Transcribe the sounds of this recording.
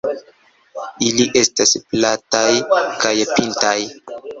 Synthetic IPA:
iliʔe̞stasplatajkajpintaj

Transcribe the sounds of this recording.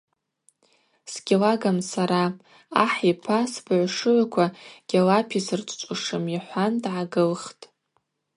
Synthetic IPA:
sɡ̥ʲɪlaɡamsaɾa | aħipʰasbaʕʷʂɨʕʷakʷʰaɡ̥ʲalapʰisɨrt͡ʃʼt͡ʃʷʼuʂɨmiħʷandʕaɡɨlχtʼ

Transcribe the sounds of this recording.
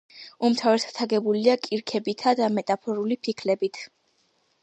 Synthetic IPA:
umt̪ʰavɛsḁt̪ʰaɡɛbuliakʼiɾkʰɛbit̪ʰad̪amɛt̪ʼapʰɔɾulipʰikʰlɛbit̪ʰ

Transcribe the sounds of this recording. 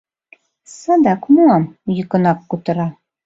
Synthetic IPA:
sɑd̪ɑkmuɑmjɤ̆kɤ̆nɑkːut̪ɤ̆ɾɑ

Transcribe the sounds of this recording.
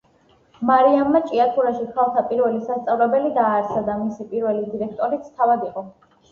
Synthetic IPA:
maɾiamːat͡ʃʼiat̪ʰuɾaʃikʰalˠt̪ʰapʼiɾvɛlisast̪sʼavlɛbɛlid̪aːɾsad̪amisipʼiɾvɛlid̪iɾɛkʰt̪ʼɔɾit̪sʰt̪ʰavad̪iqʼɔ

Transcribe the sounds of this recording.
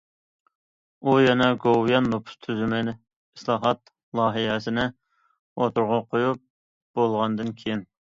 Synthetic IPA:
ujɛnɛɡowjɑnːopʰʊ̥st̪ʰyzymɪnɪ | islˠɑːɦɑt̪ | lˠɑːɦiɛsɪnɪ | ot̪ʊɾʁɑqʰojup̚ | b̥olˠʁɑnd̪ɨnkʲʰejin

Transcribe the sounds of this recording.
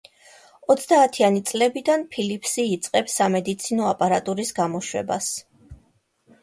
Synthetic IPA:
ɔt̪sʰd̪aːt̪ʰianit̪sʼlɛbid̪anpʰilipʰsiːt̪sʼqʼɛbsamɛd̪it̪sʰinɔapʼaɾat̪ʼuɾisɡamɔʃwɛ̰ba̰s

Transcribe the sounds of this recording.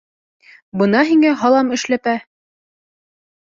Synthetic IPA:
bɤ̆nɑɦiŋæɦɑlˠɑmɘ̆ʃlæpæ

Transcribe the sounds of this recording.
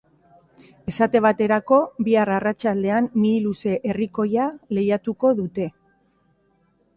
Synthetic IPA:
e̞sat̪e̞β̞at̪e̞ɾako̞βiararat͡ʃald̪e̞anːiːluse̞ʔeriko̞jale̞jat̪uko̞ðut̪e̞

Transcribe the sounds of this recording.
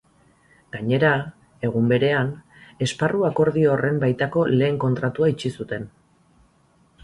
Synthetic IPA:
ɡ̥aɲe̞ɾa | e̞ɣ̞umbe̞ɾe̞an | e̞sparuako̞ɾðio̞re̞mbajt̪ako̞le̞ːŋko̞nt̪ɾat̪uait͡ʃisut̪e̞n

